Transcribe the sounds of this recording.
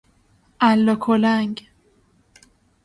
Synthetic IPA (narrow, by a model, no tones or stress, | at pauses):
ʔælːɒkʰolæŋɡ